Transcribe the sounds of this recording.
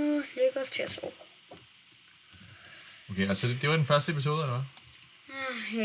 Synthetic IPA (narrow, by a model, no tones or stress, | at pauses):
løɡ̥ɐɒst͡sʰeɐso̰ | okʰeælsəded̥e̝ʋɑ̈d̥enfɶɐsd̥əepʰis̬o̝ːð̞ˠəd̥ɑʋɑ̈